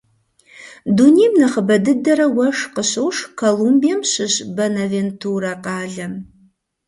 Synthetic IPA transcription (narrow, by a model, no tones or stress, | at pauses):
dunijmnɐχəbɐdɨdɐɾɐwɐʂqəɕɐwʂkʰolumbijɐmɕɪɕbɐnɐventʰuːɾɐqɑːɮɐm